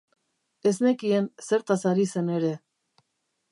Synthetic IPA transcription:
e̞zne̞kiense̞ɾt̪asaɾise̞ne̞ɾe̞

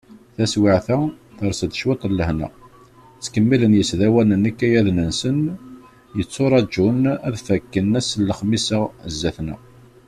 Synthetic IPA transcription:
θæswɪʕθæθəɾˤsəd̪ʃwet̪ˤəlːəhnæ̰ | t͡sːkəmːilənjəsðæwænənːəkːæjæðnənsən | jət͡sːoɾˤɑd͡ʒːunæðfækːənæsəlːəχmisəzːæθnæ̰

